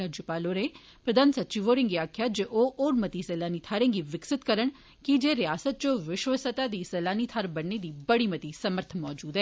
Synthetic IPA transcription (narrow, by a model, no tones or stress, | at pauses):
əd͡ʒʊpaːloːɾẽː | pɾəd̪aːnsət̪ːt͡ʃiːʋoːɾɪ̃ŋɡiːaːkʰjaːd͡ʒeʔoːʔoːɾmət̪iːsɛːlaːniːt̪ʰaːɾẽːŋɡiːʋɪksɪt̪kəɾəɳ̃ | kid͡ʒeːɾɪjaːsət̪̚t͡ʃõːʋɪʃʋəsət̪aːd̪iːsɛːlaːniːt̪ʰaːɾbənːed̪iːbəɽiːmət̪iːsəməɾt̪ʰmɔːd͡ʒuːd̪ɦɛː